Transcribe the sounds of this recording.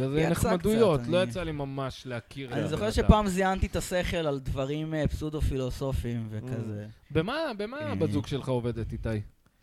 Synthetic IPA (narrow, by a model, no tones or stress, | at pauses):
zeneχmad̪ujo̞t̪lo̞jat͡salimamaʃleakʰiʁaniizo̞χeʃepaːmziant̪it̪ase̞χe̞lald̪vaʁimepsud̪ofilo̞so̞fimvekazebemabemabazuɡʃelχaove̞d̪et̪it̪aj